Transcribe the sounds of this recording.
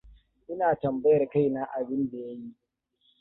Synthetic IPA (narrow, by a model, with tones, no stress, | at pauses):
ʔɪ˦naː˨tɐ˨mbɐ˦jɐ˨rka˦jna˦ʔa˨bɪ˦nda˨ja˦ji˦ʔ